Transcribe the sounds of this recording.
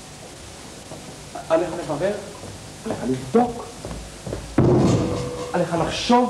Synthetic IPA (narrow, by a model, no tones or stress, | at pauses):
aleχalevaʁeʁ | aleχalivd̪o̞k | aleχalaχʃo̞v